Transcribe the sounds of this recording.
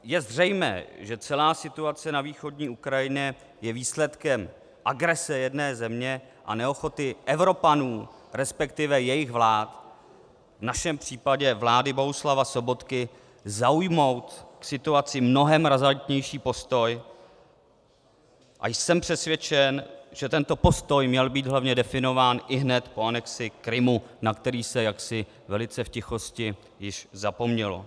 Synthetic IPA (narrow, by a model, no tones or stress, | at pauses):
jɛzr̝ɛjmɛ̰ːʒɛt͡sɛlaːsɪt̪uat͡sɛnaviːxo̞dɲiːukɾajɪɲɛ | jɛviːslɛt̪kɛm | ʔaɡɾɛsɛjɛdnɛːzɛmɲɛ | ʔa̰nɛo̞xo̞t̪ɪʔɛvɾo̞panuː | ɾɛspɛkt̪ɪvɛjɛjɪxvlaːt̪ | vnaʃɛmpr̝̥iːpaɟɛvlaːdɪbo̞ɦuslavasobo̞t̪kɪ | zaujmo̞wt̪ksɪt̪uat͡sɪmno̞ɦɛmɾazant̪ɲɛjʃiːpo̞st̪o̞j | ʔa̰jsɛmpr̥ɛsvjɛt͡ʃɛnʒ̥ɛt̪ɛnt̪o̞po̞st̪o̞jmɲɛlbiːd̪ɦlavɲɛdɛfɪno̞vaːnʔɪɦnɛt̪po̞anɛksɪkɾɪmunakt̪ɛɾiːsɛjaksɪ | vɛlɪt͡sɛfcɪxo̞scɪ | jɪʃzapo̞mɲɛlo̰